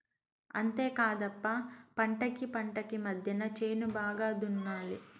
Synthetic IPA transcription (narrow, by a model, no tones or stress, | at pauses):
ɐ̰nt̪e̞ːkaːd̪ɐpːɐpɐɳʈɐkipɐɳʈɐkimɐd̪ʱjɐnɐt͡ʃeːnubaːɡaːd̪unːaːli